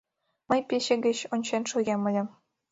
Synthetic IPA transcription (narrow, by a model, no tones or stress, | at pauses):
məjpeɕĕɡə̆t͡ɕonʲt͡ɕenʃuɣʲemə̆lʲĕm